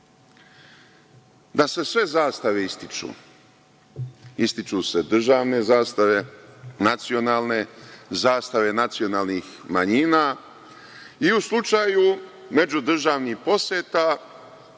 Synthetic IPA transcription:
d̪ase̞sʋe̞zaːst̪aʋe̞ist̪it͡ʃṵː | ist̪it͡ʃuse̞d̪r̩ʒaːʋne̞zaːst̪aʋenat̪sio̞naːlˠne̞zaːst̪aʋe̞nat̪sio̞naːlˠnix | maɲiːna | iuslˠut͡ʃaːju | me̞d͡ʑud̪r̩ʒaːʋnixpo̞sjet̪a

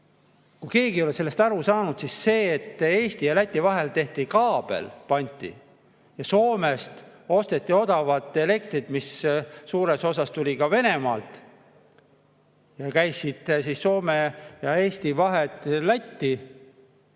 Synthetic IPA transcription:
kuke̞ːɡ̥io̞le̞se̞lːe̞st̪ɑɾusɑːnud̪̥sisse̞ːt̪ːe̞ːst̪ijɑlæt̪ʲːˑivɑɦe̞lt̪e̞ht̪ikɑːb̥e̞̰lpɑnʲt̪ʲːˑḭ | jɑso̞ːme̞st̪o̞st̪e̞t̪ːio̞d̪ɑvɑt̪ːˑe̞le̞k̚t̪rit̪misːuːɾe̞so̞s̬ɑst̪ulʲikɑve̞ne̞mɑːlt̪ | jɑkæjsːit̪ːsisːo̞ːmejɑe̞ːst̪ivɑɦe̞t̪ˑːlæt̪ʲːi

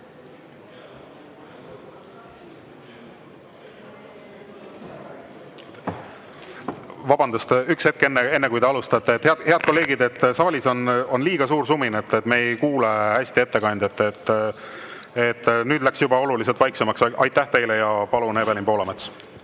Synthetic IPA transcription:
vɑbɑnd̪ɑst̪ykshe̞t̪̚kenːee̞nːekujt̪e̞ɑlust̪ɑt̪ːeet̪heɑhe̞ɑd̪̥̚ko̞le̞ːɡ̥id̪e̞t̪ːsɑvɑlʲiso̞no̞nliːɡ̥ɑsuːɾsuminet̪ːet̪ːˑmeejkuːlehæsʲt̪ie̞t̪ːe̞kɑnʲd̪et̪ːet̪ː | et̪ːˑnyːd̪læksjubɑo̞lulis̬elt̪vɑjksemɑksʔɑjt̪ˑːæht̪e̞jlejɑpɑlunebelinpo̞ːlɑmet̪s

